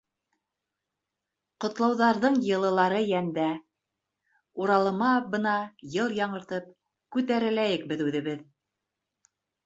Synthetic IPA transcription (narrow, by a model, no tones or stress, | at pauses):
qŏt̪lˠɑwðɑɾðɤɴjɤ̆lˠɤ̆lˠɑɾɤjænd̪æ | uɾɑlˠɤ̆mɑbɤ̆nɑjɤlˠjɑɴɤ̆ɾt̪ɤp̚ | kʉt̪æɾɘ̆læjɘk̚bɘ̆ðʉðɘ̆βɘð